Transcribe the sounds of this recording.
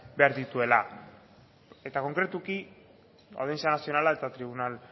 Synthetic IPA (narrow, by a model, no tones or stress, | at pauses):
be̞aɾðit̪ue̞la | e̞t̪ako̞ŋkɾet̪uki | a̰wðensianasio̞nalae̞t̪at̪ɾiβ̞unal